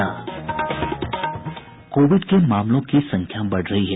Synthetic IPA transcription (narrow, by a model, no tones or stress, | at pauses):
a̰ː | koːʋɪɖkemaːmlõkisɐ̃ŋkʰjabɐɽ̤ɾɐɦiɦɛ